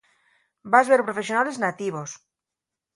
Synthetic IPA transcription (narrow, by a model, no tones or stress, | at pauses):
bazβeɾpɾofe̞sjo̞nale̞znat̪iβ̞o̞s